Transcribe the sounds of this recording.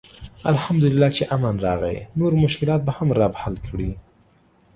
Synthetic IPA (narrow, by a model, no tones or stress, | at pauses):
a̰lhamd̪ʊlɪlːɑt͡ʃeʔamanɾɑɣa̰jnoɾmʊʃkɪlɑt̪̚bahamɾɑbahalkɽi